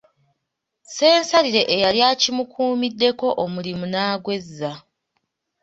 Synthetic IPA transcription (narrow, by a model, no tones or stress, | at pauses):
se̞ːnsaɾiɾe̞ʔejaljaːcimukʰuːmidːe̞ko̞ʔomulimunaːɡwe̞zːa